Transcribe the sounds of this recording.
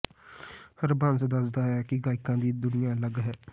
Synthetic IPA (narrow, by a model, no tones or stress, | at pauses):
həɾbənsd̪əsd̪aːɦɛːkɪɡaːɪkãːd̪iːd̪ʊnɪjãːləɡɦɛː